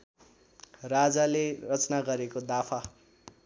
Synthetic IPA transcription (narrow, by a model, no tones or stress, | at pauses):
rad͡zalerʌt͡snaɡʌɾekod̪apʰa